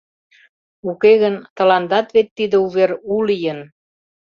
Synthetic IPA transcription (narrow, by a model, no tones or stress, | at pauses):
ukeɣənt̪ə̆lɑnd̪ɑt̪βet̪ːid̪ə̆uβeɾulijən